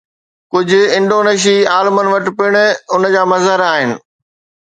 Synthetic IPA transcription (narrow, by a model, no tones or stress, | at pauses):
kʊd͡ʑʱʊ̆ɪ̃ɳɖoːneːʃ̬iaːlmənɪ̆ʋɐʈɪ̆pɪɽ̃ʊ̆ʊnd͡ʑaːmɐzɦəɾaːɦɪnɪ̆